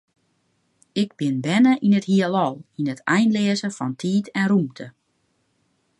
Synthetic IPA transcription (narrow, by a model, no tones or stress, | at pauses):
ɪɡ̚bɪnbɛnəʔinəthiəlɔlˠinətʰɛjnlɪəzəfɔntʰiːtʰɛnrumtʰə